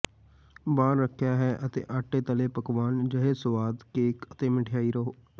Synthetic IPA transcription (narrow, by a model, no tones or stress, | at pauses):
baːɾːəkʰːjaːɦɛːʔət̪ḛːʔaːʈːeːt̪əleːpəkʋaːnd͡ʒəɦeːsʊʋaːd̪keːkət̪eːmɪʈʰɪjaːiːɾəɦoː